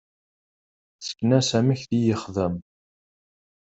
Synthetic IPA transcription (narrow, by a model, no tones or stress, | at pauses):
t͡sːə̥kːnæsæməçθijəχðəm